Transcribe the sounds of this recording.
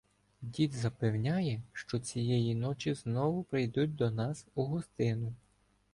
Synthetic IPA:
dʲid̪zɐpewnʲajɛʃt͡ʃɔt͡sʲijɛjinɔt͡ʃʲiznɔʋʊpɾɪjd̪ut̚ʲd̪ɔnɑsuɦɔst̪ɪnʊ

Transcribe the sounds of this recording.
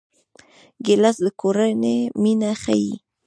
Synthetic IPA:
ɡelasd̪əkʰoɾaneminaχaji

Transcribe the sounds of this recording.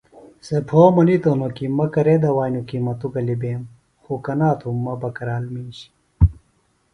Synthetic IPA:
sepʰoːmɐnit̪onokimɐkɐɾed̪ɐwaːnukimɐt̪uɡɐlibeːm | xukɐnaːt̪ʰumːɐbɐkɐɾaːlmiːɕi̥

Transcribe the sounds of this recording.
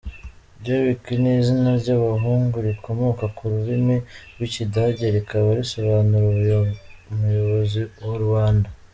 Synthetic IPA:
bɟoβikinizinaɾɟaβaɦuːŋɡuɾikomokakuɾuɾimiɡwicidaɟeɾikaβaɾiso̞βaːnuɾu | mujo̞βo̞ziwoɾwaːnda

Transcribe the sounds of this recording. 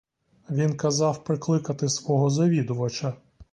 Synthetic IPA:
ʋʲinkɐzɑwpɾɪklˠɪkɐt̪ɪsʋɔɦɔzɐʋʲid̪ʊʋɐt͡ʃɐ

